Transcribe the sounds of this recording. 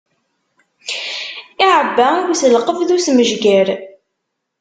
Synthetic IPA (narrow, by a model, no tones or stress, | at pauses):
ɪʕəbːæwʷθəlqəvðusməʒɡæɾ